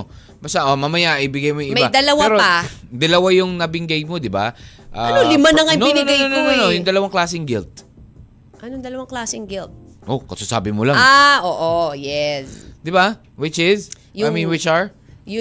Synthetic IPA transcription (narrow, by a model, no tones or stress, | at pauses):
o | baːst̪aʔomamɐjaʔɪbɪɡajmojŋʔɪmɐjad̪ɐlɐwaɾoɐd̪ɐlɐwajʊŋnɐbɪŋɡajmo̞d̪ɪba̰ʔaɐnolɪmanɐŋajnoɪnɪnoonononojʊŋd̪ɐlɐwaŋklaːsɪŋɡɪlt̪̚ | ʔɐnoŋd̪ɐlɐwaŋklaːsɪŋɡɪlt̪̚ | ʔo̞kɐsosa̰ːbɪmolaŋaʔoʔojɛsd̪ɪba | wɪt͡ʃɪz | jajminwɪt͡ʃɐɹ | j